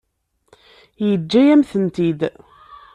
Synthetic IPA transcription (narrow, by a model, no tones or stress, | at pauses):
jəd͡ʒːæjæmθənt̪id̪